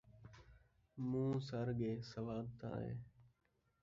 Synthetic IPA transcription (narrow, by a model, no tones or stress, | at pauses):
mũːsəɾɠeːsəʋaːb̚t̪ã̰ːɦḛ̃ː